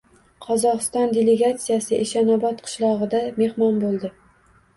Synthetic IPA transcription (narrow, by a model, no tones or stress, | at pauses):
qʰɒzɒqɨ̥st̪ɒnd̪ʲele̞ɡat̪sijasɪʔeʃanɒbɒt̪qʰɨ̥ʃlˠɒʁɨd̪ame̞hmɒnbolˠd̪ɪ